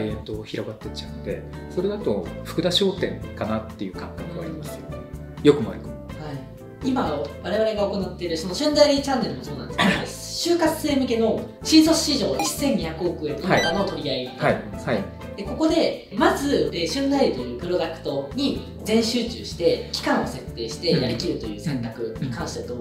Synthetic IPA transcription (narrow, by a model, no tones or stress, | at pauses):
iẽnt̪o̞ːçiɾo̞ɡat̪ːe̞t͡ɕaɯ̟̃nd̪e̞̰ | so̞ɾe̞d̪at̪o̞̰ɸɯ̥kɯ̟d̪aɕo̞ːt̪ẽ̞̰ŋkanat̪ːe̞jɯ̟ːkãŋkakɯ̟ɡa̰ɾʲimasɨjo | jo̞kɯ̟ma̰ɾikohai | imaβaɾe̞β̞aɾe̞ɡao̞ko̞nat̪ːe̞ɾɯ̟so̞no̞ɕɨ̃nd̪aiɾʲit͡ɕãnːe̞ɾɯ̟mo̞so̞ːnãnd̪esked̪e | ɕɨːkat͡sse̞ːmɯ̟ke̞no̞ɕiːzo̞ɕiʑo̞ːissẽ̞ɲ̟ɲiçakɯ̟o̞kɯ̟ẽ̞nk̪anot̪o̞ɾʲiaid̪aaisi | d̪̥e̞ko̞ko̞d̪e̞mazɨeːɕɨ̃nd̪aiɾʲit̪o̞jɯ̟ːpɯ̟ɾo̞d̪akɯ̟̥t̪o̞ɲ̟i | d͡zẽ̞ɰ̃ɕɨːt͡ɕɨ̰ːɕi̥t̪e̞kʲi̥kãɰ̃o̞se̞t̪ːe̞ːɕi̥t̪e̞jaɾʲikʲiɾɯ̟t̪o̞jɯ̟ːsẽ̞nt̪akɯ̟ɲ̟ikãɰ̃ɕi̥t̪e̞t̪o